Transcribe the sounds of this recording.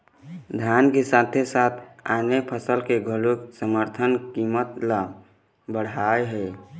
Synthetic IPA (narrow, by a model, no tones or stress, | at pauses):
d̪ʱjankesat̪ʰesat̪ʰanepʰəsəlkeɡʱəluksəməɾt̪ʰənkimət̪la | bəɽ̤aeɦɛ